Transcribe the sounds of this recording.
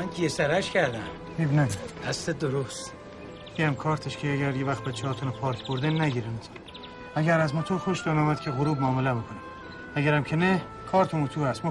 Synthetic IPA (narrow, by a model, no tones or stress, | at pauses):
ænkʰiesæɾæʃkæɾd̪æm | hibnæmihæst̪ed̪oɾost̪ | iæmkʰɒːɾt̪ʰeʃkʰeæɡæɾjevæχt̪̚bæt͡ʃʰːehɒːt̪ʰunpʰɒːɾkʲʰboɾd̪enæɡiːɾent̪ʰu̥n | æɡæɾæzmot̪ʰoɾxoʃd̪onɒːmæd̪̚kʰeɣoɾuːbmoːmelæmikʰonæm | æɡæɾæmkʰene | kʰɒːɾt̪ʰomut̪ʰuːɾhæst̪mo